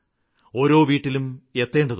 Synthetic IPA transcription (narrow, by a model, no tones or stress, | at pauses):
o̞ːɾo̞ːʋiːʈːilume̞t̪ːe̞ːɳɖɐð